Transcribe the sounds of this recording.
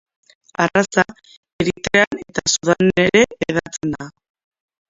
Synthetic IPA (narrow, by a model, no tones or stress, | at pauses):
arasa | eɾit̪e̞ane̞t̪asuðaneɾe̞eðat͡sena